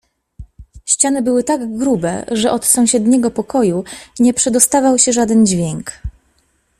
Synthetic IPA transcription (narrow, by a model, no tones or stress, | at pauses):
ɕt͡ɕanɘbɘwɘt̪aɡɡɾubɛ̰ʐɛʔɔt̪sɔ̃w̃ɕɛd̪ɲɛɡɔpɔkɔjuɲɛpʂɛd̪ɔst̪avawɕɛʐad̪ɛnd͡ʑvʲjɛŋk